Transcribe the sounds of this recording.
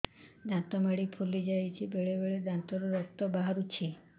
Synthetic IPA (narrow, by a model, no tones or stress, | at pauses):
d̪ʱãt̪ɔmaɽipʰulid͡ʒajt͡ʃʰibeɭebeɭed̪ãnt̪ɔɾɔɾɔk̚t̪ɔbaɦaɾut͡ʃʰi